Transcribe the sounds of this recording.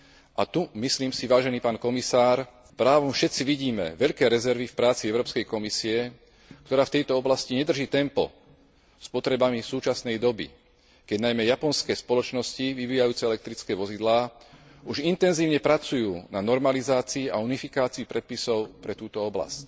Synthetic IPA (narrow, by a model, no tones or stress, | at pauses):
ʔat̪umisliːmsiʋaːʒɛniːpaːnkɔmisaːɾ | pɾaːʋɔmfʃɛt̪t͡siʋiɟiːmɛ̰ʋɛʎkɛːɾɛzɛɾʋifpɾaːt͡siɛʊɾɔːpskɛjkɔmisiɛ | k̚t̪ɔɾaːft̪ɛjt̪ɔɔblasciɲɛd̪r̩ʒiːt̪ɛmpɔ̰ | spɔt̪ɾɛbamisuːt͡ʃasnɛjd̪ɔbḭ | kɛɟnajmɛjapɔnskɛːspɔlɔt͡ʃnɔsciʋiʋiːjajuːt͡sɛɛlɛk̚t̪ɾit͡skɛːʋɔzid̪laː | uʒint̪ɛnziːʊɲɛpɾat͡sujuːnanɔɾmalizaːt͡siːaunifikaːt͡siipɾɛt̪̚pisɔʊpɾɛt̪uːt̪ɔɔbla̰sc